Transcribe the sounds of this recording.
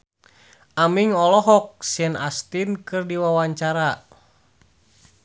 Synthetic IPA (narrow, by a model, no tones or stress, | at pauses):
ʔamiŋɔlɔɦɔk̚siɛnast̪inkɨrdiwawaɲt͡ʃaɾa